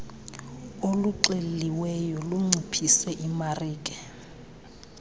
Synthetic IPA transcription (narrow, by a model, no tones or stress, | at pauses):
oluǃelliwɛjɔluŋ͡ǀʱipʰisɛʔimariːkʼɛ